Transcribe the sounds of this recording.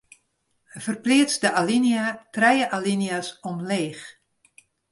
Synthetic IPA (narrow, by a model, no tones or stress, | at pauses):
əfərplɪət͡sdəʔalinjatrɛjəʔalinjasɔmleːx